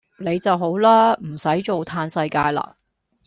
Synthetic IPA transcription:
ne˨˧jt͡sɐ˨wɦo˨˥wlaː˥m̩˨˩sɐ˨˥jt͡ʃo˨wt̪ʰaː˧nsɐ˧jkaː˧jla̰ː˧

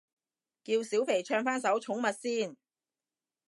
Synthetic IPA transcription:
ki˧wsiː˨˥wpʰe˨˩jt͡ʃʰœː˧ŋfaː˥nsɐ˨˥wt͡ʃʰʊ˨˥ŋmɐ˨t̚siː˥˩n

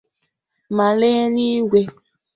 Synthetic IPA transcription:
ma˨le˦ni˦ɡe˨

